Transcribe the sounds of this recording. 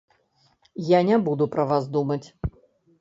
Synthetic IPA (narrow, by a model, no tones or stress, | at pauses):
janʲɛbud̪upɾɐvazd̪umɐt͡sʲ